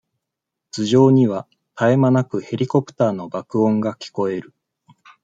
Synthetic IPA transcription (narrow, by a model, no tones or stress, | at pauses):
t͡sɨʑo̞ːɲ̟iβa | t̪ʰae̞manakɯ̟he̞ɾʲiko̞pɯ̟̥t̪aːno̞bakɯ̟õ̞ŋɡakʲi̥ko̞e̞ɾɯ̟